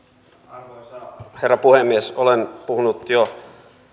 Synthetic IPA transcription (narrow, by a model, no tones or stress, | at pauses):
he̞rːɑpuhemːiesolenpuhunut̪jo